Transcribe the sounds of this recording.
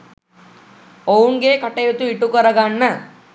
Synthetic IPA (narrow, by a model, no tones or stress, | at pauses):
ouŋɡeːkɐʈejut̪uiʈukəɾəɡanːə